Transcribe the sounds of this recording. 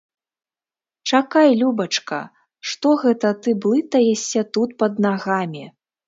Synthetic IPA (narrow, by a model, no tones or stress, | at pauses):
t͡ʂakajlʲubɐt͡ʂkɐ̰ | ʂt̪ɔɣɛt̪ɐt̪ɨblˠɨt̪ɐjɛsʲɐt̪ut̪̚pɐd̪naɣamʲi